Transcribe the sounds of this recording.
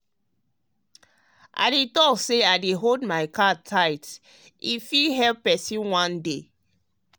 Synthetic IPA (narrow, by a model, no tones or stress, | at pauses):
ʔa̰ɪdetɔkseaɪdeɦoldmaɪkatʰaɪt | ifiɦɛlppɛsĩnwãnde